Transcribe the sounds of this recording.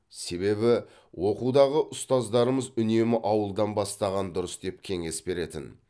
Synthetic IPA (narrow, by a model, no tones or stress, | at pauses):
se̞βe̞bɪ | wʔo̞qud̪ɑʁəʔʊst̪ɑzd̪ɑɾəməzʏne̞mɪʔɑwəlˠd̪ɑnbɑst̪ɑʁɑnd̪ʊɾəsd̪e̞p̚kʲʰe̞ŋe̞sbe̞ɾe̞t̪ɪ̰n